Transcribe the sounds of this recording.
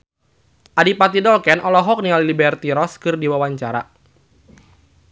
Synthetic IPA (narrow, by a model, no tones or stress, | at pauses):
ʔadipat̪idɔlkɛnʔɔlɔɦɔk̚nialilibɛrt̪iɾɔskɨrdiwawaɲt͡ʃaɾa